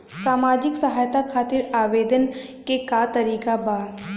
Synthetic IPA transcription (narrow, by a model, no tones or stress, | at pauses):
saːmaːd͡ʒɪksɐɦaːjt̪akʰaːt̪ɪɾaːʋeːd̪ən | kekat̪ɐɾiːkabaː